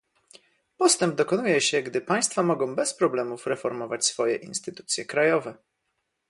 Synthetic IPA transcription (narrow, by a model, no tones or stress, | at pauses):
pɔst̪ɛmb̚d̪ɔkɔnujɛɕɛɡd̪ɘpaj̃st̪famɔɡɔ̃w̃bɛspɾɔblɛmufɾɛfɔɾmɔvat͡ɕsfɔjɛʔḭnst̪ɘt̪u̥t̪sʲjɛkɾajɔvɛ